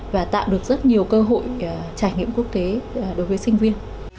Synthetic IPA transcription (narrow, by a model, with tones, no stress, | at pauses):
vaː˨˩t̪a̰ː˧˨wɗɨ˨˩ək̚zə˦˥t̚ɲi˨˩əwkəː˧ɦo̰˧˨jt͡ɕaː˧˩jŋḭ˧˨əmku˦˥ək̚t̪e˨˦˩ɗo˨˦jvəː˨˦jsï˧ŋ̟vi˧ən